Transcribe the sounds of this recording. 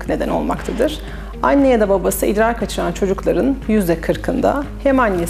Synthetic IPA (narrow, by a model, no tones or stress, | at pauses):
kne̞d̪æ̰no̞lˠma̰kt̪ʰad̪ɯɾ̥ | anːejad̪ababasɯʔḭd̪ɾaɾkʰat͡ʃʰɯɾant͡ʃʰo̞d͡ʒuklˠaɾɯnjyzɛkʰɯɾkʰɯnd̪a̰hemanja